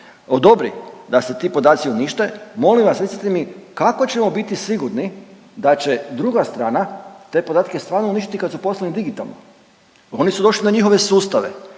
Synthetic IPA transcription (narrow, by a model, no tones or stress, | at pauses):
od̪o̞bɾḭd̪ase̞t̪iːpo̞d̪aːt̪sioniʃt̪emo̞limʋasʋet̪sḁt̪emikako̞t͡ɕe̞mo̞bit̪isʋiɡuɾni | d̪at͡ɕe̞d̪ɾuɡast̪ɾaːnat̪e̞po̞d̪aːt̪ake̞st̪ʋaːɾnouniʃt̪i̥t̪ikad̪supo̞slanid̪iɡit̪a̰lˠno̰ | o̞nisud̪o̞ʃlinaɲixo̞ʋe̞suːst̪aʋḛ